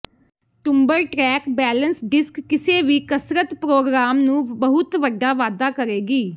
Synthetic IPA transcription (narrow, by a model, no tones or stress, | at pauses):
ʈʊmbəɾʈɾɛːkbɛːlənsɖɪskːɪseːʋiːkəsɾət̪pɾoːɡɾaːmnũːbəɦʊt̪ʋəɖːaːʋaːd̪aːkəɾeːɡiː